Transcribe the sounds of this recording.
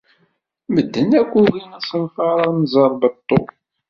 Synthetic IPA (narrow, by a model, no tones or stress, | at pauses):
məd̪ːənækʷːuɣinæsənfɑɾˤɑnzˤəɾˤbət̪ˤːo